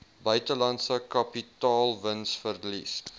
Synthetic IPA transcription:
bœɥtəlɐntsəkɐpitɑːlˠvənsfərlḭs

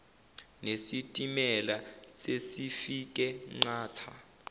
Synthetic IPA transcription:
nesitʼimɛlasesifik̬ʼɛŋ͡ǃaːtʰa

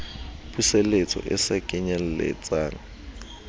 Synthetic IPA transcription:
pusɛlet͡sʼɔ̰ʔɪsakʼɪɲɛl̩lḛt͡sʼaːŋ̩

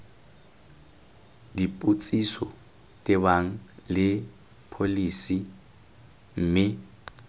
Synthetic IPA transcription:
dipʼut͡sʼisɔ | tʼɛbaŋ̩lɪ | pʰolisi | m̩ːmɪ

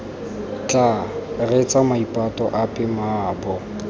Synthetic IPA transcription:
t͡ɬʼaret͡sʼamaipʼatʼɔʔapʼɪmaːbɔ

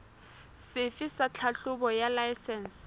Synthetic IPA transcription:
sɪfɪsat͡ɬʰaɬʊbɔjalajsɛns

